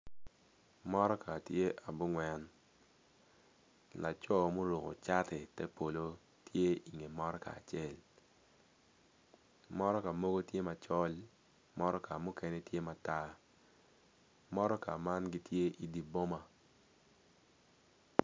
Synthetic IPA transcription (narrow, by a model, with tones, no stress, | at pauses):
mɔ˦ɾɔ˦ka˨tje˦ʔa˨bu˦ŋwɛ˦n | la˨t͡ʃɔ˦mo˦ɾo˨ko̰˨t͡ʃa˦tɛ˨tɛ˦po˨lo˦ | tʰje˦i˨ŋe˨mɔ˦ɾɔ˦ka̰˨a̰˨t͡ʃe˦˨l | mɔ˦ɾɔ˦ka˨mo˦ɡo˦tje˦ma˨t͡ʃɔ˦l | mɔ˦ɾɔ˦ka˨mu˦ke˦ne˦tje˦ma˨ta˦ | mɔ˦ɾɔ˦ka˨ma˦nɡi˦tje˦ʔi˨di˨bo˦ma˨